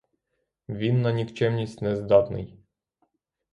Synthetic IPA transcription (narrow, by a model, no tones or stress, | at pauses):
ʋʲinːɐnʲikt͡ʃɛmnʲisʲtʲnɛzd̪ɑt̪nɪ̰j